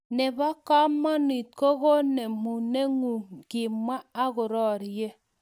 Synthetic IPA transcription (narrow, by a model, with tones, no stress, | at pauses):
ne˨ba˦ka˦mːɔ˦ni˨t̚ko˦ɣo˦ne˨mu˨ne˦ŋu˨ŋɡi˨ma˦a˦ɣʊ˨ɾɔ˦˨ɾje˦